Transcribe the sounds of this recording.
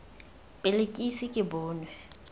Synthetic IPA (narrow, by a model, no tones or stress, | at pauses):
pʼɪlekʼisɪkʼɪbʊːnwɛ